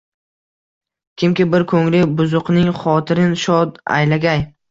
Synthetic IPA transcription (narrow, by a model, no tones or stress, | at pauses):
kʲɪmkʲɪbɪɾkʰɵŋlɪbʊzʊqnɪŋχɒt̪ʰɪɾɪnʃɒd̪a̰jlaɡʲaj